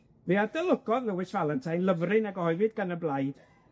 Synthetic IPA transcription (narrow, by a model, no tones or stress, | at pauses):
viadəlˠʊɡɔðlɛwɪsvalˠəntʰajnlˠəvrɨnaɡɔhɔɨvɨdɡanəblˠajd̥